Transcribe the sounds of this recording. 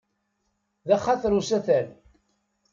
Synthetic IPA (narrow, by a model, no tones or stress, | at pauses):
ðæχaθɾusæθæl